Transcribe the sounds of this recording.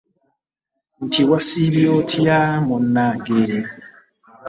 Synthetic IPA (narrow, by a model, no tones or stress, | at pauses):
n̩tʰiwasiβiotʰiamɔnːaɡe